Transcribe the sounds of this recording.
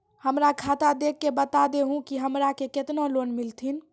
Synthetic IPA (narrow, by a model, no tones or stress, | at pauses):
həmɾakʰat̪ad̪ekːebət̪ad̪eɦũkiɦəmɾakeket̪nolonmilt̪ʰin